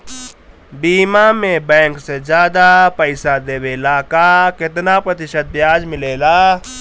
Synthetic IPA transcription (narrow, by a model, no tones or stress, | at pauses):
biːmamẽbɛ̃ːŋksezjaːd̪apəɪsad̪eːweːlaːkakɪt̪napɾɐt̪ɪʃət̪̚bjaːd͡ʒmɪleːlaː